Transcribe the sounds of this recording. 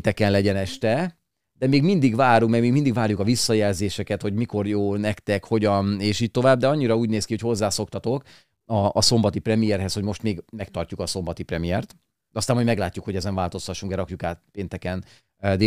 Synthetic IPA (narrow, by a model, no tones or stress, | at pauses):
t̪ɛkɛnlɛɟɛnɛʃt̪ɛ | d̪ɛmeːɡmind̪iɡʋaːɾukmɛɡmeːɡmind̪iɡvaːrjukɒvisːɒjɛlzeːʃɛkɛt̪ho̞ɟmiko̞rjoːnɛkt̪ɛkho̞ɟɒneːʃiːc̚t̪o̞vaːb̚d̪ɛɒɲːiɾɒuːɟneːskiho̞cho̞zːaːso̞kt̪ɒt̪o̞k | ɒːso̞mbɒt̪iprɛmijɛrɦɛsho̞ɟmo̞ʃt̪meːɡmɛkt̪ɒrcukɒso̞mbɒt̪iprɛmijɛrt̪ | ɒst̪aːmɔjmɛɡlaːcːukho̞ɟɛzɛɱvaːlt̪o̞st̪ɒʃːuŋkd̪ɛɾɒkjukaːt̪peːnt̪ɛkɛn | d̪e